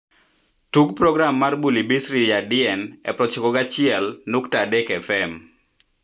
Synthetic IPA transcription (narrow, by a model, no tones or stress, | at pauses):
tuɡpɾɔɡɾamːarbulibisɾijadɪɛnɛ̰pɾɔt͡ʃikɔɡat͡ʃɪɛlnuktadɛkɛfɛm